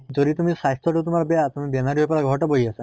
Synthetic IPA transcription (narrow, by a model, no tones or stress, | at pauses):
d͡ʒod̪it̪umisast̪ʰɔʈut̪umaɾɔbeat̪umibenaɾiɦojpɔɾaɡʱɔʈɔboɦiasa